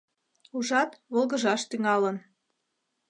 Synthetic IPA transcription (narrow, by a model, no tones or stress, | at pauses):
uʒɑt̪βolˠɣəʒɑʃt̪yŋɑlən